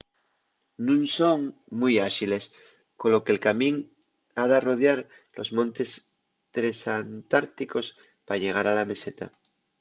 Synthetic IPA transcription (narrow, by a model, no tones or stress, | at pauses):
nũnso̞ŋmujaʃile̞s | kolo̞kelkamĩŋ | aðaro̞ð̞jaɾ | lʔo̞̰zmõnt̪e̞s | t̪ɾesant̪aɾt̪iko̞s | paʎe̞ɣ̞aɾalame̞se̞t̪a̰